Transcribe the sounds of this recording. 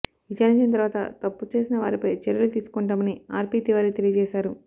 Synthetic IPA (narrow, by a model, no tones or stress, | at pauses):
it͡ʃaːɾiɲt͡ʃint̪̬ɐɾʋaːt̪ɐ̰t̪ɐpːut͡ʃe̞ːsinɐʋa̰ːɾipɐjt͡ʃɛɾɐlut̪iːsu̥kɔɳʈamɐniaːɾpiːt̪iʋaːɾikt̪e̞lijɐd͡ʒɛːʃaːɾu